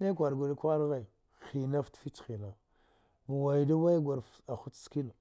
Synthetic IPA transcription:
ne˦kʷa˨ɾɡʷa˨li˦kʷa˦ɾɣa˨i˨ | xi˨na˦ftfi˦t͡ʃxi˨la˨ | mu˨wa˨jda˦wa˦ɡʷa˨ɾf | a˨xu˦tski˦lu˨

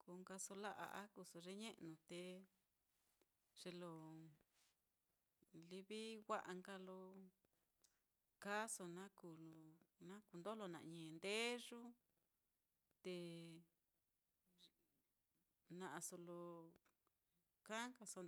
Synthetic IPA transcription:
ku˧ŋɡa˧so˧la˦ʔa̰˧ʔa˦ku˧so˧ʐe˦ɲẽ˦ʔnũ˧t̪e˧ | ʐ̥e˧lo˧˨ | li˧βi˦wʷa˦ʔa˧ŋɡa˧lo˧ | ka˦so˧nã˦ku˨lo˧o˧nã˦ku˧nd̪o˦lo˧nã̰˨ʔɲẽ˨nd̪e˦ʐu˦ | t̪e˧ | nã˧ʔa˧so˧lo˧ | kã˦ŋka˧so˧

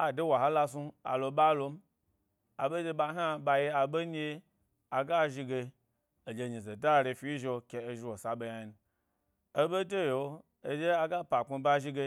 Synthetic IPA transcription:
a˨de˦wa˨ɦa˦la˧s̬u˧a̰˨lo˧ba˦lo˧m˦ | a˨be˦d͡ʒe˧ba˧˦ɦʲa˦ba˧je˧a˨be˦ɲ˦e˦ | a˨ɡa˦ʒi˧ɡe˧ | o˨d͡ʒe˧ɲi˨ze˨da˦˨ɾe˧fi˦i˦ʒe˧kʲe˨e˨ʒi˧wo˨sa˨be˧ja˨jnu˨ | e˦be˦de˦jo˨o˦ | e˨d͡ʒe˦a˨ɡa˦pa˨ku˧ba˦ʒi˧ɡe˧

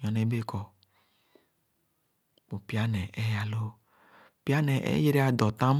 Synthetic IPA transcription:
ɲɔ̃˨ne˨˦be˦˨kʰɔ˨ | bo˨pi˦a˦nɛ˨ʔɛ˦ja˨lo˦˨ | pi˦a˦nɛ˨ʔḛ˦je˦ɾi˦a˦dɔ˨tã˦m˦

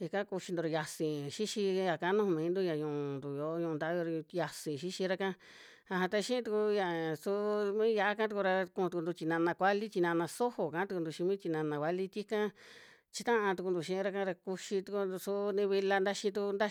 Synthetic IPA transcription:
i˧kã˦ku˧ʃi˧d̪u˧ɾa˧ja˧sĩ˨ʃi˦ʃi˧ja˨ka˧˦nũ˦ũ˧mĩː˨˦nd̪u˦ɲã˧ɲũ˧˨nd̪u˨jo˨˦ɲũ˧d̪a˧˦jɾja˧sĩ˨ʃi˦ʃi˧ɾa˧kã˦ | a˧ɦã˧t̪a˧ʃĩ˦ĩ˦t̪u˧ku˧ja˧˨su˦mĩ˦ja˧a˦kã˦t̪u˧ku˧ɾa˧kũ˧t̪u˧knd̪u˧t͡ʃ̪i˧nã˧nã˧kʷa˦li˦t͡ʃ̪i˧nã˧nã˧so˦ho˨kã˧˦t̪u˧ku˧nd̪u˧ʃi˧mĩ˦t͡ʃ̪i˧nã˧nã˧kʷa˧˦li˦t̪i˦kã˦ | t͡ʃi˧t̪ã˦ʔã˧t̪u˧ku˧nd̪u˧˨ʃĩ˧˦˧a˧kã˧ɾa˧ku˧ʃi˧t̪u˧ku˧u˧su˧˦nĩ˧βi˧la˧nd̪a˦ʃĩ˧t̪̬u˧nd̪a˦

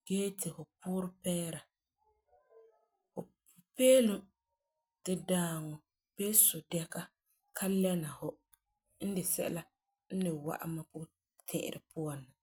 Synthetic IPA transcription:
ɡ̥eː˦tɪ˨hʊ˨pʊː˦ɾɪ˦pɛː˦ɾa˨ | hʊ˨ | peː˦lʊ˦ | tɪ˦daː˦ŋɔ˨ | b̥eː˦sʊ˨dɛ˦ka˦ | kʰa˦lɛ˦na˨hʊ˦ | n̩˦dɪ˨sɛ̰˦ʔla˦ | n̩˦nɪ˨wa̰˦ʔa̰˦ma˦kʊ˦ | tʰɪ̰̃˦˨ʔɪ̰˨ɾɪ̰˨pʰʊ˦a˨nːa˨

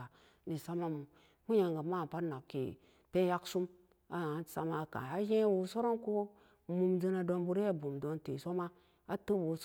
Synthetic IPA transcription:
a˨ | ni˨sa˦ma˦mu˨ | mu˦ja˨ŋɡa˨ma˦˨pa˦na˨kːḭ˨ | pe˦ja˦ksu˦m | a˦˨sa̰˨ma˦˨ka̰˨a˦je˦wu˨so˦ɾo˦nku˦ | mu˨md͡zə˧na˨do˧˦nbu˦ɾa˦bu˨mdo˨nte˨so˦ma˦ | a˦tə˦bu˨˦s

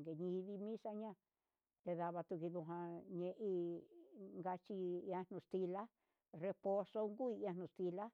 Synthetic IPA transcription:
ɡe˨ɲĩ˧βi˧mĩ˦sa˧ɲã˧ | t̪e˧ða˧βa˧t̪u˧ki˧ðu˧ɦã˧ɲẽ˧ʔi˧ | ŋɡa˧t͡ʃi˧ã˧nũ˧st̪i˧la˦ | re˧po˧so˧ŋɡu˦i˧ã˧nũ˧˨st̪i˧la˦

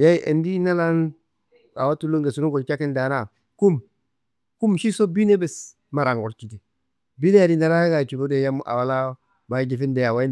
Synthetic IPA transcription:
ja˦i˦ʔḛ˨ndi˦na˦la˦n | a̰˨wa˦tu˦lo˦ŋɡe˨su˦nu˦ɡo˨t͡ʃa˦ki˦nda˨na˨ | ku˦m | ku˦mʃi˦so˦bi˦ne˦bɛ˨s | ma˨ɾa˨ŋɡo˨ɾt͡ʃi˨di˨ | bi˦ne˦ja˨di˦na˨˦ɾa˦a˦ɡa˨t͡ʃu˨lu˦de˨ja˦mʔa̰˨wa˨la˦ | ba˨˦d͡ʒi˨fi˦nde˨ja˨wa˦i˦n

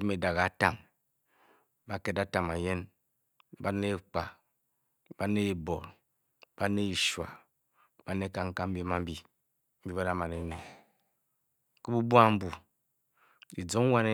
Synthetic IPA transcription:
i˦me˨da˨ɣa˨a˦ta˨m | ba˦ke˦da˦ta˨ma˨je˦n | ba˦ne˦k͡pa˨ | ba˦ne˦˨bo˨ɾ | b̥a˦ne˦i˨ʃwa̰˨ | ba˦ne˦ka˦ŋ̩˦ka˦m̩˦bi˦ma˦m̩˦bi˦ | m̩˦bi˦ba˦da˦ma˨ne˨˦ne˨ | ke˦bu˦bu˦a˦m̩˦bu˨ | di˨d͡zo˨˦ŋ˦wa˦ne˦

